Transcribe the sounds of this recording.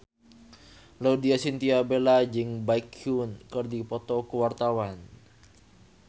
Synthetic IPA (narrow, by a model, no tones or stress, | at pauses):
laudiasint̪iabelad͡ʒɨŋbaikʰunkɨrdipɔt̪ɔkəwart̪awan